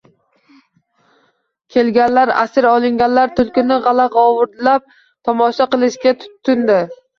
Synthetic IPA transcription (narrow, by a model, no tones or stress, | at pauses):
kʲʰe̞lɡʲanlaɾa̰sɪɾɒlˠɪŋɡʲanlaɾt̪ʰʊlˠkʲɪnɪʁɑlaʁɒwʊɾd̪lap̚ | t̪ʰɒmɒʃaqɨlˠɪʃɡʲat̪ʰʊ̥t̪ʰːʊnd̪ɪ